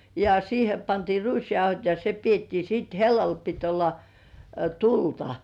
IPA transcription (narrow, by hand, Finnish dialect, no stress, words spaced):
jɑ siːhe pɑntiː ruisjɑuhot jɑ se pietːiː siːt helːɑl pit olːɑ tultɑ